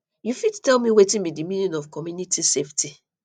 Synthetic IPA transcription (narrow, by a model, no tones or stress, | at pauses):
jufidtɛlmĩwetĩnbidimĩnɔ̃nɔfkɔmjunitisefti